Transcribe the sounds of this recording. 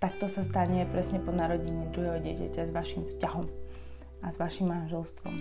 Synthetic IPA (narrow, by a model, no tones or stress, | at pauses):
t̪ak̚t̪ɔsast̪aɲɛpɾɛsɲɛpɔnaɾɔɟiɲid̪ɾuɦɛɦɔɟɪɛcacazʋaʃimfscaɦɔm | azʋaʃimːanʒɛlst̪ʋɔ̰m